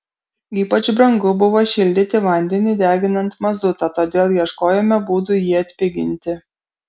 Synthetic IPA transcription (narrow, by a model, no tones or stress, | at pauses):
iːpɐt͡ʃbɾɐŋɡʊbʊʋoʃʲɪlʲd̪ʲɪt̪ʲɪʋɐnʲd̪ʲɛnʲɪd̪ʲæːɡʲɪnɐnt̪mɐzʊt̪ɐt̪oːd̪ʲeːlˠjiɛʃkoːjɛmʲɛbuːd̪ʊjiɐt̪ʲpʲɪɡʲɪ̰nʲt̪ʲɪ